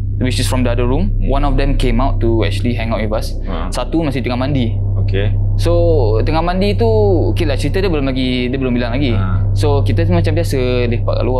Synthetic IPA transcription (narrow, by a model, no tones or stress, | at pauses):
wisəsfɹɔ̃mdəadəɹumwãnɔfdɛ̃mkẽmawtːuɛ̰k̚t͡ʃuəliɦɛ̃ŋawʔ̚wivasː | at̪umast̪iht̪əŋahmãndi | okesot̪əŋahmãndit̪ukelat͡ʃəɾit̪ədəbəlomlaɡi | dəbəlombilaŋlaɡi | sokit̪ət̪umat͡ʃambiasə | lepa̰ʔka̰lua